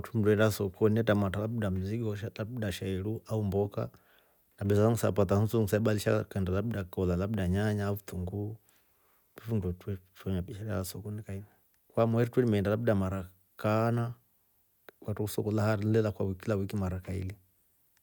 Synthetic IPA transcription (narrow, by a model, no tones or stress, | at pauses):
tʰum̩dɛndasɔkɔniɛtamatalaɓuɗam̩ziɡɔʃatabuɗaʃaɛɺuʔaumbɔka̰ | naɓɛzaaŋusapat̬ahusuŋ̩saɛɓaliʃa̰kandalabuɗakɔlalaɓuɗaɲaɲavutuŋɡu | vifundɔtwɛtwɛɲapiʃaɾɛaasɔkɔnikainɛ | kwamwɛɾitwɛlimɛndalabuɗamaɾa | kana | watuusɔkɔlahalɛlakwawikilawikimaɾakaḭli